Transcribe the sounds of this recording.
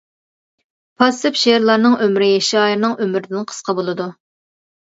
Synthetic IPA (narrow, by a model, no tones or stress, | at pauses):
pʰɑsɨpʃeɾlˠɑɾnɨŋømɾɪjeʃɑjɾnɨŋʔømɾɪd̪ɪnqʰə̥sqʰɑbolˠɨd̪u